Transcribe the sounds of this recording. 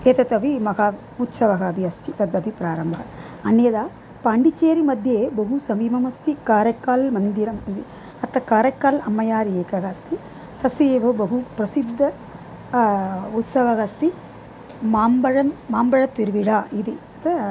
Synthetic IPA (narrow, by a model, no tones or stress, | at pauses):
eːt̪ɐt̪ɐʋimɐɡaː | ut̪sɐʋɐɣaːbiɐst̪ʰit̪ɐd̪ɐʋipɾaːɾɐmbʱɐɐ | ɐnjɐd̪aː | paːɳɖit͡ʃeːɾimɐd̪ʱjeːbɐɦusɐmiːmɐmɐst̪ikaːɾɐkːaːlmɐnd̪iɾɐmnd̪i | ɐt̪ːɐkaːɾɐkːaːlɐmːɐjaːɾieːkɐɣɐːst̪ʰi | t̪ɐsieːbɐbɐɦupɾɐsid̪ʱːɐ | ut̪sɐʋɐɣɐst̪i | maːmbɐɻɐmːaːmbɐɻɐt̪iɾʋiɽaːid̪iɐt̪ɐ